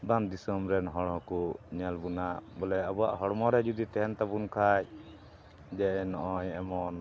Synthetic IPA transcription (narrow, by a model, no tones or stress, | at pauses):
band̪isɔmɾɛnɦɔɽɦɔkuɲɛlbunabɔlɛəbua̰ʔɦɔɽmɔɾɛd͡ʒud̪it̪ɛɦɛnt̪abunkʰaj | d͡ʒɛɛnɔʔɔɲɛmɔn